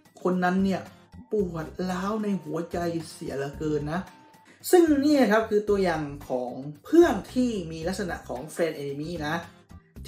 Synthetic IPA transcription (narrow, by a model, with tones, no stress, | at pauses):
kʰo˧nːa˦˧˥nːi˥˩ɐ | pu˨˩ət̪̚laː˦˥˨wna˧˩jhu˨˩˦ɐt͡ɕa˧jsi˩˦ɐla˧˩kɤː˧nːa˦˥ | sɯ˥˩ŋu˧niː˥˩na˧˩kʰa˦˥p̚kʰɯː˧t̪u˧ɐjaː˨˩ŋkʰɔː˩˦ŋpʰɯ˥˩əŋt̪ʰiː˥˩miː˧la˦˥k̚sa˧na̰˧ʔkʰɔː˩˦ŋfɛː˧nʔe˧i˧miː˧˥˩na˦˥ | t̪ʰ